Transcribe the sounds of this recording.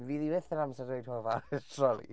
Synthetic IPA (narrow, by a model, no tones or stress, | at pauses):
viːðiwɪθəɾamsadojdhɔvatʰrɔlˠḭ